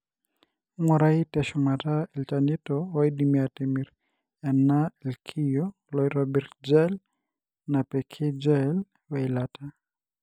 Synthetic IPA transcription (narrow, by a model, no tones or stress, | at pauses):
mɔɾaitɛʃumataɛlt͡ʃanitɔwaidimiatɛmiɾ | ɛnalkʰijɔ | lɔiɾɔbɛrd͡ʒɛl | napɛkʰɛd͡ʒɛl | wailata